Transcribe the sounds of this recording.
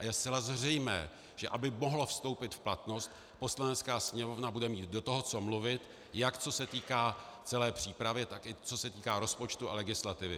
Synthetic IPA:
ʔajɛstt͡sɛlazr̝ɛjmɛ̰ː | ʒ̥ɛʔabɪmo̞ɦlofst̪o̞wpɪt̪fplat̪no̞st̪ | po̞slanɛt͡skaːsɲɛmovnabudɛmiːt̪do̞t̪oɦot͡somluvɪt̪ | jakt͡so̞sɛt̪iːkaːt͡sɛlɛːpr̝̥iːpɾavjɛt̪akɪt͡so̞sɛt̪iːkaːɾo̞spo̞t͡ʃt̪ua̰lɛɡɪslat̪ɪvɪ̰

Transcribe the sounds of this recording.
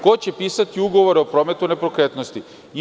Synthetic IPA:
ko̞t͡ɕe̞piːsat̪iuɡo̞ʋo̞ɾeopɾo̞ːme̞t̪une̞pɾokɾet̪nost̪i

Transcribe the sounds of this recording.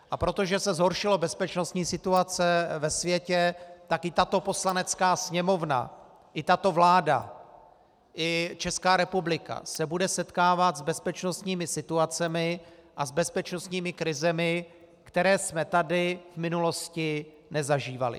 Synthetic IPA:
ʔapɾo̞t̪o̞ʒɛsɛzɦo̞ɾʃɪlo̞bɛspɛt͡ʃno̞st̪ɲiːsɪt̪uat͡sɛvɛsvjɛcɛt̪akɪt̪at̪o̞po̞slanɛt͡skaːsɲɛmo̞vna̰ | ʔɪt̪at̪o̞vlaːda̰ | ʔɪt͡ʃɛskaːɾɛpublɪka̰sɛbudɛsɛt̪kaːvat̪zbɛspɛt͡ʃno̞st̪ɲiːmɪsɪt̪uat͡sɛmɪʔazbɛspɛt͡ʃno̞st̪ɲiːmɪkɾɪzɛmɪ | kt̪ɛɾɛːsmɛt̪adɪvmɪnulo̞scɪ | nɛzaʒiːva̰lɪ̰

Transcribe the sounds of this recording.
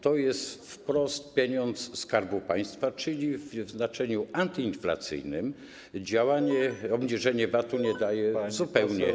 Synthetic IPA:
t̪ɔjɛst̪fpɾɔst̪̚pʲjeɲɔnt̪sskaɾbupaj̃st̪fat͡ʂɘlʲivvznat͡ʂɛɲuant̪ɘinfla̰t̪sɘ̰jnɨm | d͡ʑawaɲɛɔbɲiʐɛɲɛvat̪uɲɛd̪ajɛzupɛwɲɛ

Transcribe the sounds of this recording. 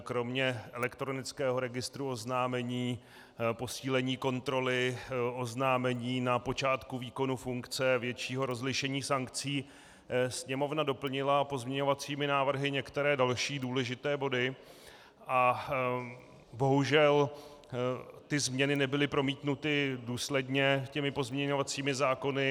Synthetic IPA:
kɾo̞mɲɛʔɛlɛkt̪ɾo̞nɪt͡skɛːɦo̞ɾɛɡɪst̪ɾuo̞znaːmɛɲiː | po̞siːlɛɲiːko̞nt̪ɾo̞lɪo̞znaːmɛɲiːnapo̞t͡ʃaːt̪kuviːko̞nufuŋkt͡sɛvjɛt͡ʃiːɦo̞ɾo̞zlɪʃɛɲiːsaŋkt͡siː | sɲɛmo̞vnado̞pl̩ɲɪlapo̞zmɲɛɲo̞vat͡siːmɪnaːvr̩ɦɪɲɛkt̪ɛɾɛːdalʃiːduːlɛʒɪt̪ɛːbo̞dɪ | ʔa | bo̞ɦuʒɛl | t̪ɪzmɲɛnɪnɛbɪlɪpɾo̞miːt̪nut̪ɪduːslɛdɲɛcɛmɪpo̞zmɲɛɲo̞vat͡siːmɪzaːko̞nɪ

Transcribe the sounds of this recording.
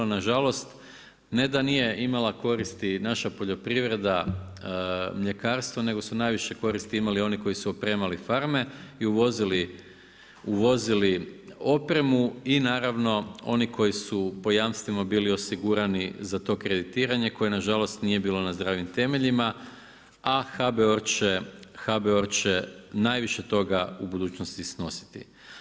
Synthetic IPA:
naʒalo̞st̪ | ne̞d̪anije̞ʔimalako̞ɾist̪inaʃapo̞ʎo̞pɾiʋɾe̞d̪a | mʎe̞kaːɾst̪ʋone̞ɡo̞sunajʋiʃe̞ko̞ɾist̪iimalio̞niko̞jisuopɾe̞ːmalifaɾme̞iuʋo̞zili | uʋo̞zilio̞pɾe̞muinaːɾaʋno̞o̞̰nikʰo̞jisupo̞jaːmst̪ʋimabiːlio̞siɡuɾanizat̪o̞ːkɾe̞d̪it̪iːɾaɲeko̞jenaʒalo̞st̪nije̞biːlo̞nazd̪ɾaːʋimt̪e̞me̞ʎima | axabeoɾt͡ʃexabeo̞ɾt͡ʃenaːjʋiʃe̞t̪o̞ɡaubud̪uːt͡ɕnost̪isno̞si̥t̪ḭ

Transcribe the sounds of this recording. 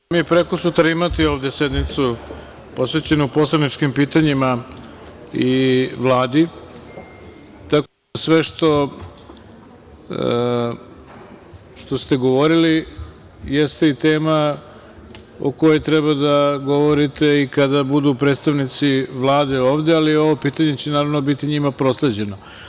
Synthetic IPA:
mipɾekosut̪ɾaimat̪io̞ːʋd̪e̞sed̪mit̪su | po̞sʋe̞t͡ɕe̞nuupo̞slˠad̪nit͡ʃkimpiːt̪aɲima | iʋlˠaːd̪i | t̪ako | asʋe̞ʃt̪o̞ | ʃt̪o̞st̪e̞ɡo̞ʋo̞ɾili | jest̪eit̪e̞ːma | o̰ko̞jet̪ɾebad̪aɡo̞ʋo̞ɾit̪e̞ikad̪abud̪upɾed̪st̪aʋnit̪siʋlˠaːd̪e̞o̞ːʋd̪ealio̞ʋo̞piːt̪aɲe̞t͡ɕenaːɾaʋno̞bit̪iɲimapɾo̞sled͡ʑe̞no

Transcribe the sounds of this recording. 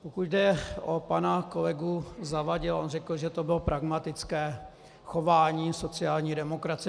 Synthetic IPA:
pokucdɛʔopanakolɛɡuzavaɟɪlʔonrɛkl̩ʒɛt̪obɪlopɾʔaɡmat̪ɪt͡skɛː | xo̞vaːɲiːso̞t͡sɪaːlɲiːdɛmokɾat͡s

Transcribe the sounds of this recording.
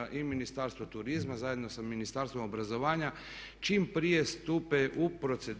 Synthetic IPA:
ʔiminist̪aɾst̪ʋot̪uɾizmazaːjed̪no̞saminist̪aɾst̪ʋo̞mobɾazo̞ʋaːɲa | t͡ʃiːmpɾije̞st̪upeʔupɾo̞t̪se̞d̪

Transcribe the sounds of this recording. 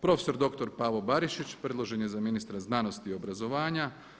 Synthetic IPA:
pɾo̞feso̞ɾd̪o̞kt̪o̞ɾpaːʋo̞baɾiʃit͡ɕpɾed̪lˠo̞ʒe̞njezaminist̪ɾaznano̞st̪io̞bɾazo̞ʋaːɲa

